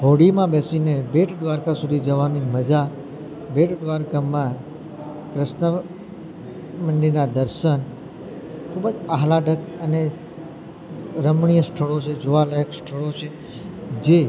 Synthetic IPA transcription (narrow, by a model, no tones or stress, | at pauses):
ɦoɽimãbesinebeʈʰd̪ʋaɾkasud̪ʱid͡ʒəʋaniməd͡ʒa | beʈd̪ʋaɾkamːã | kɾɪʃnə | mənɖ̪iɾnad̪əɾʃən | kʰubəd͡ʒaɦlaɖəkəne | ɾəmɳijəsʈʰəɭot͡ʃʰed͡ʒuʋaləjəksʈʰəɭot͡ʃʰe | d͡ʒe